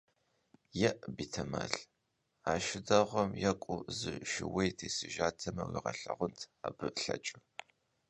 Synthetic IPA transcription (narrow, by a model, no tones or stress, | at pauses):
jɛʔbiːtʰɐma̰ːɬ | aːʃɪdɐʁʷɔmjɐkʷʼʊzɨʃɪwejtʰeːsɨʒaːtʰɐmɐwḭʁɐɬɐʁʷʊntʰaːbɨɬɐt͡ʃʼɨ